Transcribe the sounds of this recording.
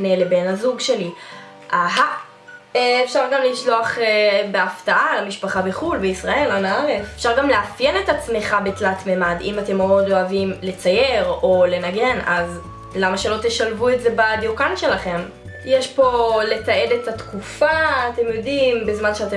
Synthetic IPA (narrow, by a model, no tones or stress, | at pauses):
nelebe̞nhazuɡʃe̞li | ʔaɦa | fʃaʁɡamliʃlo̞aχbeaftaʔalamiʃpaχabeχulbeisʁae̞lanaaʁefefʃaʁɡamleafjene̞tat͡smeχabetlatmemadḭmate̞moodo̞avimle̞t͡sajeʁo̞le̞naɡe̞naz | lamaʃe̞lo̞teʃalvuetze̞badikanʃe̞laχe̞m | jeʃpo̞le̞tae̞detatkufaːte̞mjo̞dimbezmanʃeate